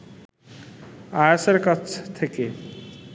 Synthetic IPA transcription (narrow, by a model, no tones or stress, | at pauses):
ajaseɾkat͡ɕʰt̪ʰeke